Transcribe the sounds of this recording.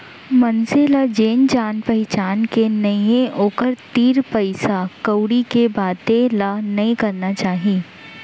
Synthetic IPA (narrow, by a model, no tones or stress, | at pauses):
mɐnselad͡ʒeːnd͡ʒaːnpɐɦɪt͡ʃaːnkenɐijẽʔoːkəɾt̪iːɾpɐɪsakɐwɽikebaːt̪elanɐĩkɐɾnat͡ʃaːɦiː